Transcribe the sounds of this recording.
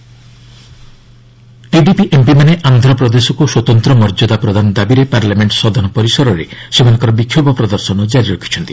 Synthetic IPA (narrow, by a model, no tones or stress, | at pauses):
ʈiɖipiʔempimaneʔand̪ʱɾɔpɾɔd̪esɔkuswɔt̪ɔnt̪ɾɔmɔɾd͡ʒɔd̪apɾɔd̪ʱanɔd̪abiɾepaɾlameɳʈsɔd̪ʱɔnɔpɔɾisɔɾɔɾesemanɔŋkɔɾɔbikʰjobɔpɾɔd̪ɔɾsɔnɔd͡ʒaɾiɾɔkʰi̥t͡ʃʰɔnt̪i